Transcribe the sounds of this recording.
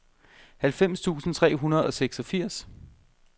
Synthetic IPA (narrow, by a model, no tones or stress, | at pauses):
hælfem̰st͡sʰṵːsn̩t͡sʰʁɛ̰ːɦunɐð̞ˠɒ̽seɡ̥sɒ̽fiɐ̰s